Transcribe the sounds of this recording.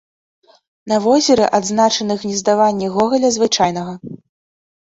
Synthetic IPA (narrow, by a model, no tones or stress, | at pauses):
nɐvɔzʲɛɾɛʔad̪znat͡ʂɐnɨxnʲɛzd̪avanʲːɛɣɔɣɐlʲɐzvɨt͡ʂajnɐɣɐ